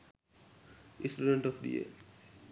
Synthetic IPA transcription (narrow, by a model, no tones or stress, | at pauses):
ĩsʈuɖeɳʈɔfɖḭḛ